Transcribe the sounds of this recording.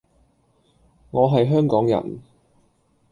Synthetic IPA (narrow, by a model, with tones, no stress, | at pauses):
ŋɔː˨˧ɦɐ˨jɦœː˥ŋkɔː˨˥ŋjɐ̰˨˩n